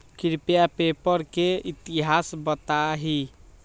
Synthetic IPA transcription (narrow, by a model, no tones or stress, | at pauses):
kɾipjapepəɾkeit̪iɦasbət̪aɦi